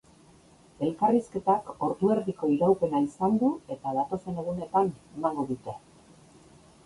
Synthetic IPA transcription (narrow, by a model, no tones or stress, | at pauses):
e̞lkariske̞t̪ako̞ɾðue̞ɾðiko̞iɾawpe̞naisand̪ue̞t̪aðat̪o̞se̞ne̞ɣ̞une̞t̪ane̞maŋɡo̞ðut̪e̞